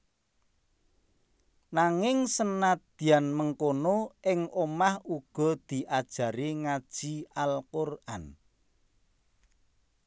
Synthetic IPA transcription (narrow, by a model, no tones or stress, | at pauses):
naŋɪŋsənad̪̥i̤anməŋkonoʔɪŋomahuɡ̥ɔ̤d̪̥i̤ʔad̥ʒ̥ä̤ɾiŋad̥ʒ̥iʔalkorʔan